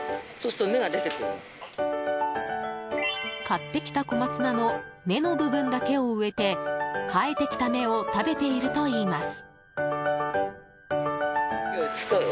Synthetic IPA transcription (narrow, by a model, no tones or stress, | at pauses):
so̞sɨ̥t̪ome̞ɡad̪e̞t̪e̞kɯ̟ɾɯ̰ | kat̪ːe̞kʲi̥t̪ako̞mat͡sɨnano̞ | ne̞no̞bɯ̟bɯ̟̃ŋɡake̞o̞ɯ̟e̞t̪e̞kʰae̞t̪e̞kʲi̥t̪ame̞o̞t̪abe̞t̪e̞iɾɯ̟t̪o̞iːmasɨ̥ | ot͡sɨ̥ka